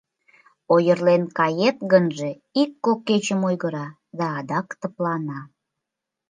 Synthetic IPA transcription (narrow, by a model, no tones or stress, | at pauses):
ojərlenkɑjet̪ɣənʒe | ikːokːet͡ɕəmojɣəɾɑ | d̪ɑːd̪ɑkt̪əplɑnɑ